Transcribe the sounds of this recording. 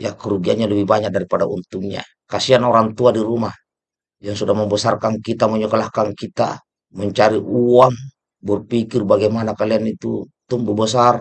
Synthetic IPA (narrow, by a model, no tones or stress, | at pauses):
jakəɾuɡianɲalɛbihbaɲak̚daɾipadaṵnt̪uŋɲa̰ | kasianɔɾaŋt̪uadiɾumah | d͡ʒaŋsudahməmbəsarkankit̪amɔɲɔkəlahkankit̪a̰ | məɲt͡ʃaɾiʔuaŋ | bɔrpikirbaɡɛjmanakalianit̪u | t̪ɔŋbubəsar